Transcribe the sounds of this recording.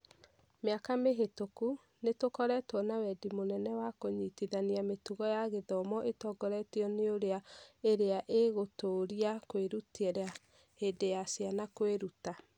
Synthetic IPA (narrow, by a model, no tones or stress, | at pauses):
meakameɦetoku | netokɔɾɛtwɔnawɛdimonɛnɛwakoɲitiðaniametuɣɔjaɣeðɔmɔʔetɔɡɔɾɛtiɔneoɾeaeɾeaʔeɣotoːɾiakweɾutiɛɾa | hedejasjanakweɾuta